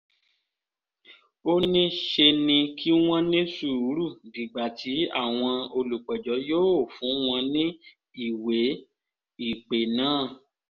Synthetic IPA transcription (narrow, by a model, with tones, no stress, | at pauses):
o˦nĩ˦ʃe˧nĩ˧kʰi˦w̃ɔ̃˦nĩ˦su˦˨u˨˦ɾu˦˨di˨ɡ͡ba˨tʰi˨˦a̰˦˨w̃ɔ̃˧o˧lu˨k͡pɛ˨d͡ʒɔ˨˦joː˦o˦˨fũ˨˦w̃ɔ̃˧nĩ˦ | i˦˨we˨˦ | i˦˨k͡pe˨nãː˦˨